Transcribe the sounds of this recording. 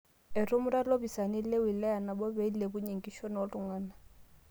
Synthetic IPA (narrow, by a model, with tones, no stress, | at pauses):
ɪ˨ɾʊ˦mʊ˦ɾa˦lo˦bi˨sa˨ni˦le˦wi˨lɛ˦a˨na˨bɔ˦be˨˦ile˨bʊ˦ɲi˨ŋkʼi˦ʃo˦n˨ɔ˦tʊ˨ŋaː˦na˨